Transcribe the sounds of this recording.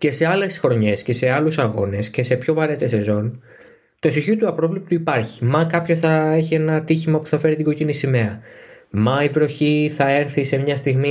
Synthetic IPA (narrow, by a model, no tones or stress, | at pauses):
ce̞se̞ɐle̞sxɾo̞ɲe̞sce̞se̞ɐlusɐɣo̞ne̞sce̞se̞pço̞vɐɾe̞t̪e̞se̞zo̞n | t̪o̞siçiot̪uɐpɾo̞vlipt̪uipɐɾçi̥mɐkɐpço̞sθɐe̞çie̞nɐt̪içimɐpu̥θɐfe̞ɾit̪iɡo̞cinisime̞ɐmɐivɾo̞çiθɐe̞ɾθise̞mɲɐst̪iɣmi